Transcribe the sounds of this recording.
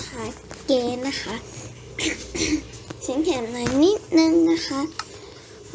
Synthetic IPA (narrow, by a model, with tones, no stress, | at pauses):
ha˨˦ | kɛː˧na˦xʰa˦˥ʔ | si˨˦ŋkʰɛ˨˩mna˨˧˩jni˦˥t̪̚nɯ˧ŋna˦˥xʰa˦˥ʔ